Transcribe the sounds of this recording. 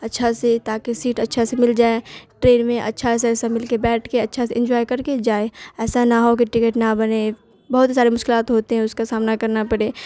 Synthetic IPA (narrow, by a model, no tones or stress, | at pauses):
ɐtːʃʰaset̪aːkesiːʈɐtːʃʰasemɪld͡ʒaːeʈɾeːnmẽʔɐ̰tːʃʰaɛːs̬aɛːsamɪlkebɛːʈʰkeɐtːʃʰaseɪ̃ɲd͡ʒɔːjkɐɾked͡ʒaːeɛːsanaɦok̬eʈɪkeʈnabɐne | bɐɦʊt̪saːɾemʊʃkɪlaːt̪ɦoːt̪eɦɛ̃ʊskasaːmnakɐɾnapɐɽeː